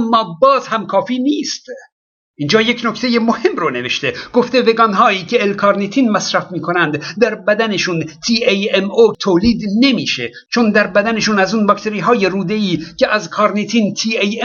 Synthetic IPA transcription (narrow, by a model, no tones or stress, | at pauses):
mːɒːbɒːzhæmkʰɒːfiːniːst̪ | ʔiːnd͡ʒɒːje̞cnoct̪e̞jemohe̞mrone̞veʃt̪e̞ɡ̥oft̪e̞ve̞ɡɒnɦɒːiːcʰe̞ːlkʰɒɾnit̪ʰiːnmæsɾæfmiːkʰonænd̪d̪æɾbæd̪æne̞ʃunt̪ʰiːejemot̪ʰoːliːd̪ne̞miːʃe | t͡ʃʰond̪æɾbæd̪æneʃunæzuːnbɒkt̪e̞ɾiːɦɒːje̞ruːd̪e̞iːcʰeʔæzkʰɒɾnet̪ʰiːnt̪ʰiːej